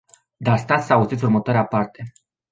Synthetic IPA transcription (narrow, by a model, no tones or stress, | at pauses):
d̪ast̪at̪sauzit̪sʲurmət̪oaɾeapart̪e̞